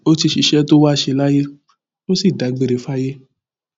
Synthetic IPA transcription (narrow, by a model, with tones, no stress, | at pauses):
o˦ti˧ʃi˨ʃɛ˦to˦wa˦˧˨ʃe˧la˦je˦ | wo˦si˦˨da˨˦ɡ͡be˦˧ɾe˨fa˦je˦